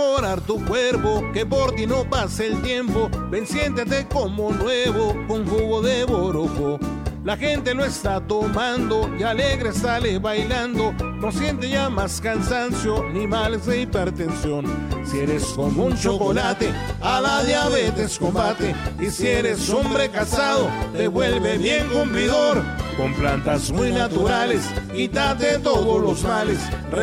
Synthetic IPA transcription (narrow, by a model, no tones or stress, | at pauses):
oɾaɾt̪ukweɾpokepoɾt̪inopaseelt̪jempobensjent̪et̪ekomonweβokoŋfuɣoðeβoɾokolaxe̞nt̪eloest̪at̪omand̪oialeɣɾesaleβajland̪onosje̞nt̪̬eʝamaskansansjonimalezd̪eipeɾt̪ensjonsieɾeskomunt͡ʃokolat̪ealaðjaβet̪eskombat̪eisieɾesombɾekasaðod̪eβwelβebjeŋkumpliðoɾkomplant̪asmujnat̪uɾaleskit̪at̪et̪oðolosmalesr